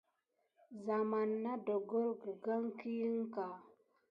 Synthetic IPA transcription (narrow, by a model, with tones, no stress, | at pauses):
za˨ma˨nːa˦do˨ɡo˦ɾɡə˨ɡa˦ŋki˦ŋ˦ka˨